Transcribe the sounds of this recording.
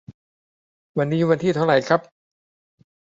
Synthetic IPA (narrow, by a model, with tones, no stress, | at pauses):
wa˧nːiː˦˥wa˧nt̪ʰiː˥˩t̪ʰa˥˩wɾa˨˩jkʰɾa˦˥p̚